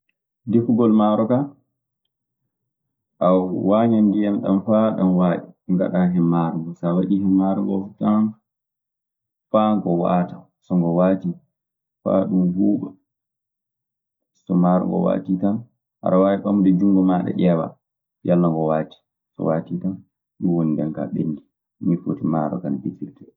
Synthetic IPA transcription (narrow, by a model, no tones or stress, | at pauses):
dikuɡɔlmaɾɔka | ʔawwaɲandijamɗa̰mfaɗamwaɗiŋɡa̰ɗaɦɛmːaɾɔɡɔsawaɗihɛmːaɾɔŋɡɔ̰futːan | faŋɡɔwa̰ta | sɔŋɡɔwaːti | fa̰ɗumhuːɓɛ | sɔmaɾɔ̰ŋɡɔ̰wa̰titan | ha̰ɾawajiɓamudɛd͡ʒuŋɡɔmaɗɛ̰ʔɛwa̰ | jalːaŋɡɔwaːti̥ | sɔ̰watitan | ɗuwonindɛnka̰ɓenːdi | mifotima̰ɾɔ̰kanabitiltɛ